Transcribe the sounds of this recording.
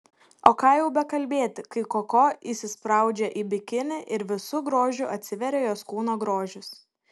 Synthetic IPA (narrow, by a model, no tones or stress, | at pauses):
oːkɑːjɛʊbʲɛkɐlʲbʲeːt̪ʲɪkɐɪkokoːisʲɪspɾɐˑʊd͡ʒʲɛʔiːbʲɪkʲɪnʲɪʔɪɾʋʲɪsʊɡɾoːʒʲʊʔɐt̪ʲsʲɪʋʲɛɾʲeːjoːskuːnoːɡɾoːʒʲʊs